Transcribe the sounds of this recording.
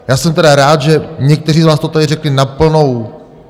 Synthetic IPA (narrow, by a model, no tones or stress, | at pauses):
jaːsɛmt̪ɛdaɾaːt̪ʒɛɲɛk̚t̪ɛr̝iːzvaːst̪ot̪adɪrɛklɪnapl̩no̞w